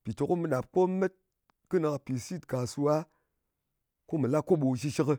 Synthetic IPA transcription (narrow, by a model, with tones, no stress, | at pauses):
pi˨to˨ko˦mɨ˨ɗa˨p̚ko˦me˦t̚ | kɨ˦na˨ka˨pi˨si˦tka˨su˧a˦ | ko˦mɨ˨la˦kːo˦ɓo˨ʃi˧ʃi˦kɨ˧